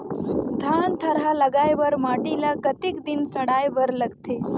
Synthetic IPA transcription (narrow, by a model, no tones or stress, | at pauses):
d̪ʱant̪ʰəɾaləɡajʋəɾmaʈilakət̪ikd̪insəɽajʋəɾləɡt̪e